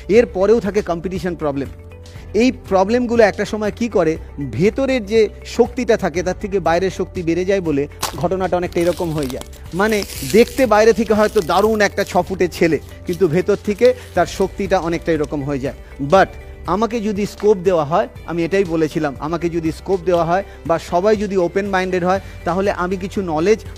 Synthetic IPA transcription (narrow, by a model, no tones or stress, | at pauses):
eɾpɔɾeot̪ʰakekɔmpiʈiʃonpɾɔblem | ejpɾɔblemɡuloɛk̚ʈaʃɔmɔekikɔɾebʱet̪oɾeɾd͡ʑe | ʃok̚t̪iʈat̪ʰaket̪at̪ʰekebaeɾeɾʃok̚t̪ibeɾed͡ʑaeboleɡʱɔʈonaʈaɔnek̚ʈajɾɔkomɦoed͡ʑae | maned̪ekʰt̪ebaeɾet̪ʰekeɦɔet̪od̪aɾunɛk̚ʈat͡ɕʰɔfuʈet͡ɕʰele | kint̪ubʱet̪oɾt̪ʰeket̪aɾʃok̚t̪iʈaɔnek̚ʈajɾɔkomɦoed͡ʑae | bɐʈ | amaked͡ʑod̪iskop̚d̪eoaɦɔe | a̰mieʈajbolet͡ɕʰilama̰maked͡ʑod̪iskop̚d̪eoaɦɔe | baʃɔbajd͡ʑod̪iopenbajɳɖeɖɦɔe | t̪aɦoleʔamik̬it͡ɕʰunɔled͡ʑ